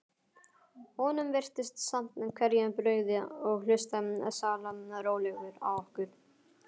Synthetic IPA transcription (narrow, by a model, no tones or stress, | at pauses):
hɔnʏmvɪr̥t̪ɪst̪sam̥t̪nʏmkʰvɛɾjanpɾœːɥɣðɪɔɣlʏst̪amnɛ̰salamnaɾoːwlɛɣʏɾa̰wɔhkʏɾ̥